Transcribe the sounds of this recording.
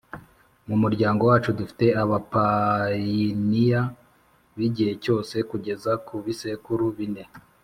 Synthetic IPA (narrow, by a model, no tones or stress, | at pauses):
mumuɾɟaːŋɡo̞waːt͡ʃudufi̥te̞aβapa | inija | βiɟihe̞co̞ːse̞kuɟe̞zakuβise̞kuɾuβine̞